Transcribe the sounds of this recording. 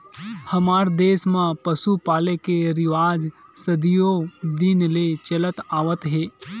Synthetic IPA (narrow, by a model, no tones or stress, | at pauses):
hɐmaːɾd̪eːsmãpəsupaːlekeɾɪʋaːd͡ʒsəd̪ijod̪inlet͡ʃɐlət̪aːʋət̪ɦeː